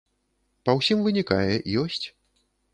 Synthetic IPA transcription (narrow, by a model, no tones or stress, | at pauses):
pɐwsʲimvɨnʲikajɛʔijɔsʲt͡sʲ